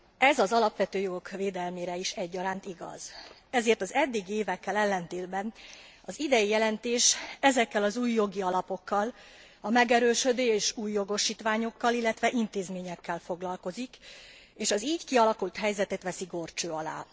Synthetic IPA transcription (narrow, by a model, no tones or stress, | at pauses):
ɛzɒzɒlɒpʋɛt̪øːjo̞ɡo̞kveːd̪ɛlmeːɾɛiʃɛɟːɒɾaːnt̪iɡɒ̰z̥ | ɛzeːrt̪ɒzɛd̪ːiɡeːvɛkːɛlɛlːɛnt̪eːlbɛn | ɒzid̪ɛjijɛlɛnt̪eːʃɛzɛkːɛlɒzuːjːo̞ɡiɒlɒpo̞kːɒl | ɒmɛɡɛɾøːʃød̪øːeːʃuːjːo̞ɡo̞ʃiːt̪ʋaːɲo̞kːɒlilːɛt̪ʋɛʔint̪eːzmeːɲɛkːɛlfo̞ɡlɒlko̞zik | eːʃɒziːɟkiɒlɒkult̪ɦɛjzɛt̪ɛt̪ʋɛsiɡo̞rt͡ʃøːɒla̰ː